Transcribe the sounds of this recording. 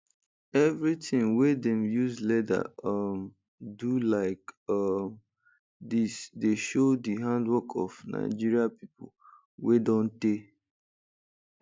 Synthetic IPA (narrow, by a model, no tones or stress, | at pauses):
ɛvɹitʰɪ̃ŋwedɛ̃mjuzlɛda̰ʌm | dulaɪkʌm | disdeʃodiɦãndwɔkʰɔ̰fna̰ɪd͡ʒiɹiapipʊ̰l | wedɔ̃nte